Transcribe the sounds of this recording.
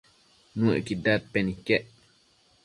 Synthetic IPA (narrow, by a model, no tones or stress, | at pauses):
nuɛ̰kidat̚pɛnikːɛʔ